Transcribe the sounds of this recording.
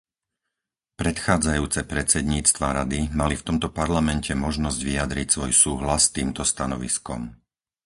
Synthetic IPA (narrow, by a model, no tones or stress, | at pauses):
pɾɛt̪xaːd͡zajuːt͡sɛpɾɛt͡sɛd̪ɲiːt͡st̪ʋaɾad̪imalift̪ɔmt̪ɔpaɾlamɛncɛmɔʒnɔzɟʋiad̪ɾicsʋɔjsuːɦlasːt̪iːmt̪ɔst̪anɔʋḭskɔ̰m